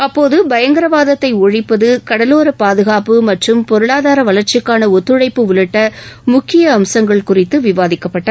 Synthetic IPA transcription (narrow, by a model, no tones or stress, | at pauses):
ɐpːoːðɯbɐjɐŋɡɪɾɐʋaːðɐt̪ːɐɪɔɻɪpːɐðɯkɐɽɐloːɾɐpaːðɯɣaːpɯmɐʈrɯmpɔɾɯɭaːðaːɾɐʋɐɭɐɾt͡ʃɪkːaːnɐɔt̪ːɯɻɐɪpːɯʋʊɭɪʈːɐmʊkːɪjɐːmsɐŋɡɐɭkʊrɪt̪ːɯʋɪʋaːðɪkːɐpːɐʈːɐ